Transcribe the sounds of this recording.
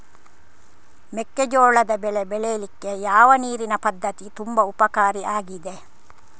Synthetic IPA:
mekːed͡ʒoːɭɐd̪ɐbeɭebelelikːejaːʋɐniːɾinɐpɐd̪ːɐt̪it̪umbɐupɐkaːɾiaːɡid̪e

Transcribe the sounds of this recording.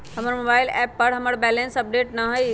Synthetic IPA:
hɐməɾmoːbaːɪlɛːpːɐɾɦɐməɽbɛːlẽnsɐp̚ɖeːʈnaɦəj

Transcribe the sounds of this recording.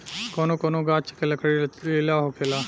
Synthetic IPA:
koːnokonoːɡaːt͡ʃə̥kelɐkəɽilelaːɦokʰelaː

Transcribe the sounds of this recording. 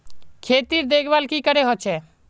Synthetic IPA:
kʰet̪iɾd̪ekʰbalkikəɾeɦɔt͡ʃʰe

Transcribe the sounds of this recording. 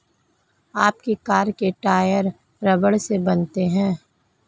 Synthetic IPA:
aːp̚kikaːɾkeʈaːjəɾ | ɾɐbəɽsebɐnt̪eɦɛ̃ː

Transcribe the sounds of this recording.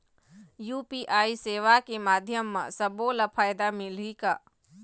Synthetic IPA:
juːpiːʔaːiseːʋakemaːd̪ʱjəmːã̰sɐboːlɐpʰaːjd̪amɪlikaː

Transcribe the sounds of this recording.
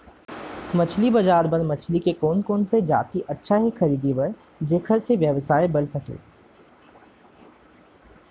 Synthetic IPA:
mɐt͡ʃʰlibɐd͡ʒaːɾbɐɾmɐt͡ʃʰlikekoːnkoːnsed͡ʒa̰ːt̪iʔɐtːʃʰaɦixɐɾiːd̪ibɐɾ | d͡ʒeːkʰəɾseʋjəʋsaːebɐlsɐkḛː

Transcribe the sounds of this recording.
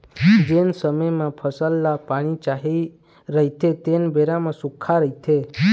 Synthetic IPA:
d͡ʒensəməjmãpʰəsəlːapaɽ̃it͡ʃaɦi | ɾəɦit̪ʰet̪enbeɾamãsukʰːaɾəɦit̪ʰe

